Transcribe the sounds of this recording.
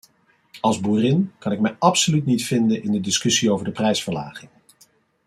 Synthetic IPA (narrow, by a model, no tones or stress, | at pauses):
ɑlˠzbuːrɪnkɑnɪkmɛjɑpsolytnitfɪndənʔɪndədɪskɵsiowvəɹdəprɛjsfəɹla̰ːχɪŋ